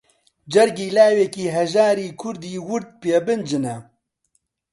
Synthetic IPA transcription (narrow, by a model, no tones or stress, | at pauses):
d͡ʒɐɾɡiːlaːwekiːɦɛʒaːɾiːkʰʊɾd̪iːwʊɾd̪̚peːbɨnd͡ʒɨnɛ